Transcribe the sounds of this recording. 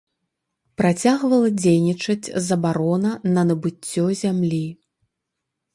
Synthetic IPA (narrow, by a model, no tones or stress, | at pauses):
pɾat͡sʲaɣvɐlˠɐd͡zʲejnʲit͡ʂɐt͡sʲzɐbaɾɔnɐnɐnɐbɨt͡sʲːɔzʲamlʲi